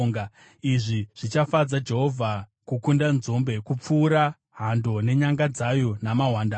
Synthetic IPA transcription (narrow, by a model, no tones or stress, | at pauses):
ŋɡa | iʐiʐ̥it͡ʃafad͡zad͡ʒe̞ɦo̞vʱakukundanzo̞mbe̞kup͡fuːɾa | ɦando̞ne̞ɲaŋɡad͡zajo̞namaɦwaːnda